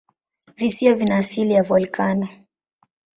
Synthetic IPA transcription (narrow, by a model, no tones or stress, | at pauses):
visiɔvinaːsilijavɔlkanɔ